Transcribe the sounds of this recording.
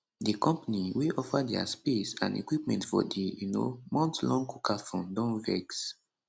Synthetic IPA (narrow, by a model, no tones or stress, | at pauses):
dikɔ̃mpaniweʔɔfadɛa̰spesã̰nḛkwipmɛ̰̃ntfɔ̰dijuno̰mɔ̃ntlɔ̃ŋkukʰafõndɔ̃nvɛks